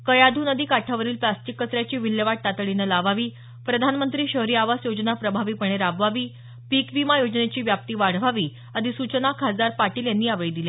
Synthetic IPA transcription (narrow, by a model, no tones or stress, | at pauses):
kəjad̪ʱunəd̪iːkaʈʰaʋəɾiːlplasʈikːət͡sɾjat͡ɕiːʋiljəʋaʈ̚t̪at̪ɭinəlaʋaʋiː | pɾəd̪ʱanmənt̪ɾiːɕəɦɾiːaʋasjod͡ʑnapɾəbʱaʋiːpəɳ̃eɾabʋaʋiː | pikʋimajod͡znet͡ɕiːʋjap̚t̪iːʋaɽ̤ʋaʋiː | əd̪isut͡ɕnakʰasd̪aɾpaʈiːljanːiːaʋeɭid̪ile